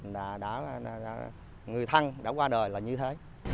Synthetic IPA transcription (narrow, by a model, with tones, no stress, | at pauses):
ɗaː˧˩ɗa̰ː˧˥˧a˨˩ɗa̰ː˧˥ | ŋɨ˨˩əjt̪ʰa˧ŋɗa̰ː˧˥kwaː˧ɗəː˨˩jlaː˨˩ɲɨ˧t̪ʰe˨˦